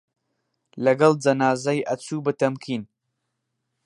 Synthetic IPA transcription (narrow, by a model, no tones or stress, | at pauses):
lɐɡɐlˠd͡ʒɐnaːzɐjʔɐt͡suːbɨt̪ɐmkʰiːn